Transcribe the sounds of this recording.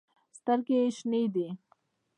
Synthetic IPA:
st̪əɾkeʃnid̪i

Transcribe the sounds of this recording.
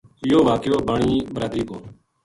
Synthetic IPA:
ɪjoːʋaːkjoːbaːɳiːbəɾaːd̪ɾiːkoː

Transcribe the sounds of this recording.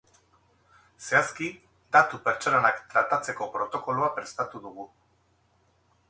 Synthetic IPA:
se̞aski | d̪at̪upeɾt͡ʃoɾanakt̪ɾat̪at͡se̞ko̞pɾo̞t̪o̞ko̞loapɾe̞st̪at̪uðuɣu

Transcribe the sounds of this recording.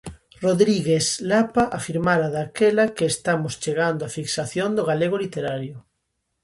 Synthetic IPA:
roðɾiɣeslapaʔafiɾmaɾaðakelakeːst̪amʊst͡ʃeɣand̪oafiksaθjond̪oɣaleɣ̞olit̪eɾaɾjʊ

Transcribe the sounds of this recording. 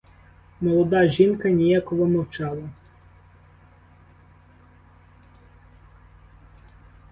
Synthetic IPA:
mɔlˠɔd̪ɑʒʲinkɐnʲijakɔʋɔmɔwt͡ʃɑlˠɐ

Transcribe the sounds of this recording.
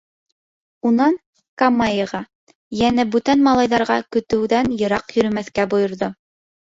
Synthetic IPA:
unɑn | kamːɑjɤʁɑ | jænæbʉt̪ænmɑlˠɑjðɑɾʁɑkɵ̆t̪ɘ̆wðænjɤ̆ɾɑqjɵ̆ɾɵ̆mæθkæbŏjŏɾðo

